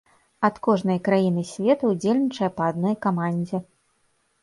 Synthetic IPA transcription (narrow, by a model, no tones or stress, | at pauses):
ɐt̪kɔʐnɐjkɾajin̪ɨsʲvʲɛt̪ɐud͡zʲelʲnʲit͡ʂɐjɐpɐːd̪̚nɔjkamanʲd͡zʲɛ